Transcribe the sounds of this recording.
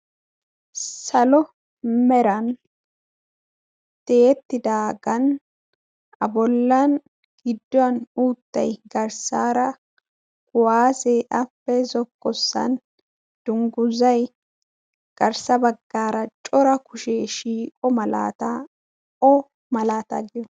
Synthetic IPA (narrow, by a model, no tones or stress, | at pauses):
sɐlɔ | mɛɾɐn | t̪eːt̪ːɪd̪aːɡɐn | ɐ̰bɔlːɐn | ɡɪd̪ːɔɐnuːt̪ːɐ̰jɡɐɾsaːɾɐ | kʊwaːseʔɐpːɛzɔkːɔsːɐ̰n | d̪̥ʊŋɡʊzɐj | ɡ̥ɐɾsɐbɐɡːaːɾɐt͡ʃʼɔɾɐkʊʃeːʃiːkʼɔmɐla̰ːt̪a | ɔ | mɐlaːt̪ɐ̰ɡɪjɔ